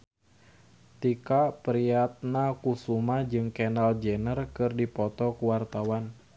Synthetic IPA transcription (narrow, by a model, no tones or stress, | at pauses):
t̪ikapɾiat̪̚nakusumad͡ʒɨŋkɛnald͡ʒɛnərkɨrdipɔt̪ɔkuwart̪awan